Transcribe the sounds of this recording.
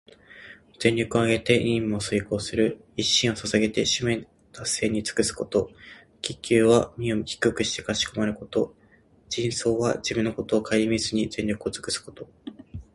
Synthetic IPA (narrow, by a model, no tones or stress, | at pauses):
z̥ẽ̞ɲʲo̞kɯoaɡe̞t̪e̞ʔĩmosɨiko̞ːsɨɾɯ̟ | iɕːĩɰ̃o̞sasaɡe̞t̪e̞ɕɨmẽ | t̪ʰasːe̞ːɲ̟it͡sɨ̥kɯ̟sɨ̥ko̞t̪o̞ | kʲikʲːɨːβamʲioçi̥kɯkɯ̟ɕi̥t̪e̞̥kaɕi̥ko̞maɾɯ̟ko̞t̪o̞ | d͡ʑĩɰ̃so̞ːβa̰d͡ʑibɯ̟̃nːo̞ko̞t̪o̞ːkʰaiɾʲimʲizɨɲ̟izẽ̞ɲʲo̞kɯo̞t͡sɨ̥kɯ̟sɨ̥ko̞̥t̪o̞